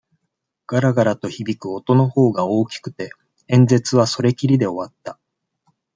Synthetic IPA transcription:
ɡ̥aɾaɡaɾat̪o̞çibʲikɯ̟o̞t̪o̞no̞ho̞ːɡao̞ːkʲi̥kɯ̟̥t̪e̞ | ẽ̞nd͡ze̞t͡sɨβ̞aso̞ɾe̞kʲiɾʲid̪e̞o̞βat̪ːa

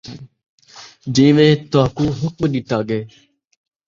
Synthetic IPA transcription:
d͡ʒĩːʋẽːt̪aːkũːɦʊk̚mɗɪt̪aːɡeː

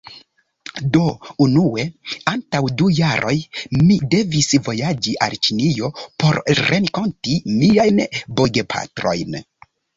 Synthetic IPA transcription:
do̞unue̞antawdujaɾʔo̞̰jmide̞visvo̞jad͡ʒiʔa̰lt͡ʃinijo̞po̞ɾɾenko̞ntimiajnboɡepʰa̰tɾo̞̰jn

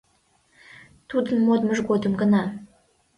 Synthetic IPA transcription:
t̪ud̪ənmod̪məʒɡod̪əmɡənɑ

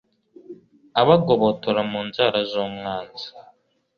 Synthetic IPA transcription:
aβaɡoβotoɾamuːnzaɾazomŋaːnzi

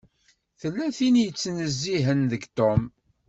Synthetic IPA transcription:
θəlːæθinjət͡sːnəzːiɦənðəɡt̪om

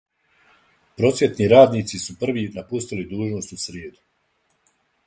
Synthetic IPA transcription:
pɾo̞sjet̪niɾaːd̪niːt̪sisupr̩ʋinapust̪ilid̪uːʒno̞st̪usɾjeːd̪u̥

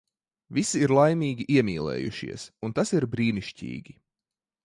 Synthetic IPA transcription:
visiːɾlˠajmiːɡʲiʔiɛmʲiːlˠɛ̰ːjuʃḭɛsunt̪asiɾbɾiːniʃcḭːɡʲi

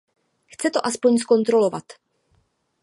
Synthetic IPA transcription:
xt͡sɛt̪o̞ʔaspo̞ɲsko̞nt̪ɾo̞lo̞vat̪

